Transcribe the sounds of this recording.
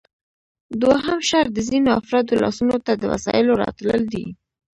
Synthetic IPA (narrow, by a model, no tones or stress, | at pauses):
d̪waɦəmʃaɾd̪əzinoafɾɑd̪olɑ̰sunot̪ad̪əwa̰sɑ̰jɪloɾɑ̰t̪ləld̪ḭ